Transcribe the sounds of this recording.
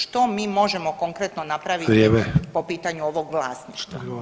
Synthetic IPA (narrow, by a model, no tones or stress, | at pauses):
ʃt̪omiːmo̞ʒemo̞koŋkɾet̪nonapɾaʋieʋepo̞piːt̪aɲuoʋo̞ɡʋlˠaːsniːʃt̪ʋa̰